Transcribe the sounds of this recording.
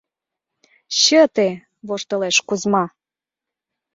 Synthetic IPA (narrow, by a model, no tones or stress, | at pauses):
ɕət̪e | βoʃt̪ɤ̆leʃkuzmɑ